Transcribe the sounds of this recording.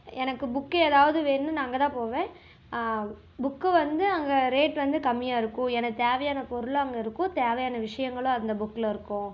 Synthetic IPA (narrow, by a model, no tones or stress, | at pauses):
ɛnɐkːɯbʊkːɯɛːðaːʋɐðɯʋeːnːɯnaːŋɡɐt̪ãːpoːʋẽː | bʊkːɯʋɐnd̪ɯɐŋɡɐɾeːʈʋɐnd̪ɯkɐmːɪjaːɪɾɯkːʊ̃ɛnɐt̪eːʋɐjaːnɐpɔɾɯlõɐŋɡɐɪɾɯkːʊ̃t̪eːʋɐjaːnɐʋɪʂɐjɐŋɡɐɭʊ̃ɐnd̪ɐbʊkːɪlɐɪɾɯkːʊ̃